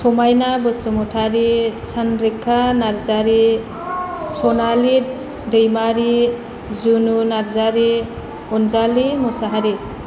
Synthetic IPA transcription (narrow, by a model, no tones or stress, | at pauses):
sɔmajnabɯsɯmɔtʰaɾisʰanɾekʰːanaɾzaɾi | sɔnali | dɯjmaɾi | zununaɾzaɾi | ɔnzalimusaɦaɾi